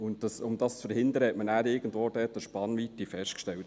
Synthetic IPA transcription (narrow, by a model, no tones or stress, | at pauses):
ʊntd̥ɑsʊmdɑst͡sfəɾhɪnd̪əɾəhɛtmənæːɾɪɡ̥ən̩dvʋoːd̥ɛtəʃpɑnʋitːifɛʃtkʃtɛlt